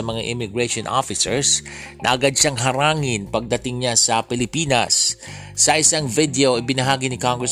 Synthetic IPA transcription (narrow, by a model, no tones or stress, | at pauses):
ɐmɐŋaʔɪmɪɡɹɛʃonʔo̰fɪsɛ̰ɹs | nʔɐ̰ʔɐɡad̪̚ʃaŋɦɐɾaːŋɪnpɐɡ̚d̪ɐt̪ɪŋɲasɐpɪlɪpinɐ̰sː | ɐʔɪsaŋvɪd̪ɛoʔɪbɪnɐɦaːɡɪnɪkoŋɡɹɛs